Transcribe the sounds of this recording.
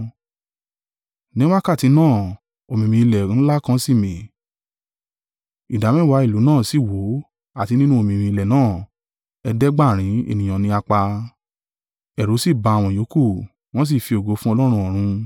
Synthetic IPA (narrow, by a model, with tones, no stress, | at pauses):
nĩ˦wa˦ka˦˨ti˨˧˦nãː˦˨ | o˨mĩ˧˨mĩ˧i˧lɛ˨ñ̩˦la˦kã˧˦si˦˨mĩ˨ | i˨da˨˦mɛ̃˦˨wa˨˧˦i˦˨lu˨˦nãː˦˨si˦˨wo˨˦ | a˦˨ti˨˧˦nĩ˦nũ˦o˧˨mĩ˧˨mĩ˧i˧lɛ˨nãː˦˨ | ɛ˧dɛ˦ɡ͡ba˦˨ɾ̃ĩ˨˦ḛ˦˨nĩ˨j̃ɔ̃˨nĩ˧˦a˧k͡pa˧ | ɛ˨ɾo˨˦si˦˨ba˨˧a˨w̃ɔ̃˧˨jo˨˦ku˦˨ | w̃ɔ̃˦s̬i˦˨fi˧o˨ɡo˨˦fũ˦ɔ˧lɔ˦ɾ̃ũ˧˦ɔ˨ɾ̃ũ˧